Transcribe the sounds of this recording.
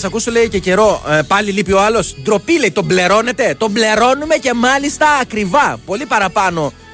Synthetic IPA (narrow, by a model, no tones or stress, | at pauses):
sɐkusole̞ice̞ce̞ɾo̞pɐlilipio̞ɐlo̞sd̪ɾo̞pile̞it̪o̞ble̞ɾo̞ne̞t̪e̞t̪o̞mble̞ɾo̞nume̞ce̞mɐlist̪ɐːkɾivɐpo̞lipɐɾɐpɐno̞